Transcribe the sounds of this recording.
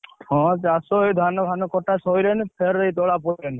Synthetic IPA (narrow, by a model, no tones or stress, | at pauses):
ɔ̃t͡ʃasoed̪ʱanɔbʱanɔkɔʈasɔjɾenpʰeɾejt̪ɔɽap̬ɔɾen